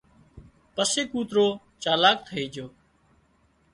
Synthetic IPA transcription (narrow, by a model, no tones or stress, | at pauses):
pəseːkuːt̪ɾoː | t͡ʃaːlaːk̚t̪ʰəiːd͡ʒoː